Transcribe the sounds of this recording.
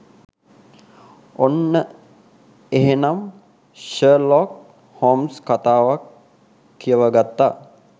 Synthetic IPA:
onːə | eɦenam | ʃəːlɔːk̚ | hoːmskat̪aːʋakʰː | ijəʋəɡat̪ːaː

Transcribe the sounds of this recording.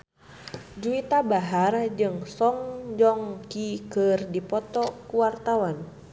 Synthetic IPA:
d͡ʒuit̪abaɦard͡ʒɨŋsɔŋd͡ʒɔŋkikɨrdipɔt̪ɔkuwart̪awan

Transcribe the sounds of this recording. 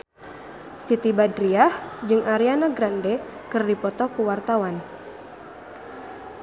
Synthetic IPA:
sit̪ibadɾiahd͡ʒɨŋʔaɾianaɡɾandɛ | kɨrdipɔt̪ɔkuwart̪awan

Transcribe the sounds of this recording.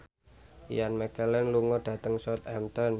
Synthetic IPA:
janmɛkɛlɛnluŋɔɖ̥a̤t̪əŋsɔt̪ɛmt̪ɔn

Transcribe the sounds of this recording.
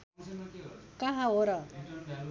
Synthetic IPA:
kaɦãoɾa

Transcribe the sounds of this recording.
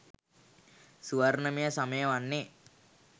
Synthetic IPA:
suʋarnəmijəsaməjəʋanːe

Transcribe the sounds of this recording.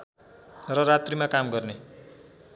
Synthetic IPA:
rʌrat̪rimakamɡʌrne

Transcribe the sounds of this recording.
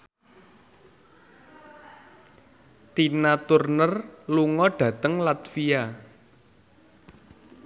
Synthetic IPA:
t̪inat̪urnərluŋɔɖ̥ä̤t̪əŋlat̪fia

